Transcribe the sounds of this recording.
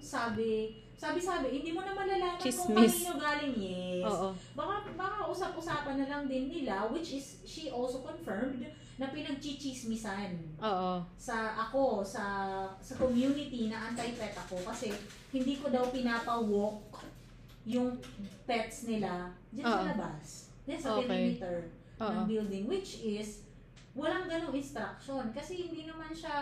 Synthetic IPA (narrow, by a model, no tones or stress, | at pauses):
saːbɪ | saːbɪsaːbɪhɪnd̪iːmonɐmɐnlɐlaːmɐkʊŋpɐiːɲoɡaːlɪŋjɛsbɐkamɐkɐɐʔʊsapʔʊsaːpɐnːɐlɐŋd̪ɪnːɪlawɪt͡ʃɪs | ʃiʔolsokonfɛɹmd̪ | nɐpɪnɐɡ̚t͡ʃit͡ʃismɪsanʔoːʔosɐʔɐko̞sɐsɐkomjunɪt̪inɐʔant̪ɐjpɛt̪̚ɐko̞kɐsɛ | hɪnd̪iːko̞d̪ɐwpɪnaːpɐwok | jʊŋpɛt̪̚snɪla | d͡ʒɐsɐlɐbas | d͡ʒansɐpɛɾimit̪ɛɹ | nɐŋbɪld̪ɪŋwɪt͡ʃɪs | wɐlaŋɡɐnoŋɪnst̪ɾɐk̚ʃo̞nkɐsɛhɪnd̪iːnɐmanʃa